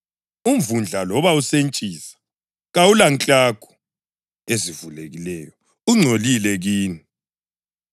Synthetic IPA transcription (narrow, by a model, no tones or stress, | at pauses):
umvund͡ɮʱalɔβausent͡ʃʼiːsḁ | ɣaulaŋt͡ɬʼakʰu̥ | ezivuleɣilɛjɔ | uŋ͡ǀʱolilɛɣiːni